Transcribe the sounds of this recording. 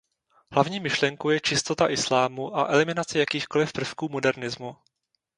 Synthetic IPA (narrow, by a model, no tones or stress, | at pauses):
ɦlavɲiːmɪʃlɛŋkowjɛt͡ʃɪst̪o̞t̪aʔɪslaːmuʔaʔɛlɪmɪnat͡sɛjakiːxko̞lɪfpr̩fkuːmo̞dɛɾnɪzmu